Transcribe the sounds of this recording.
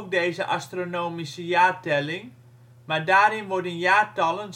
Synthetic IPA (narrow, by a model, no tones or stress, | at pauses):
k̚deːzəʔa̰stronoːmisəjaːtɛlɪŋ | madaːɾɪnʋɔdənjaːtɑlən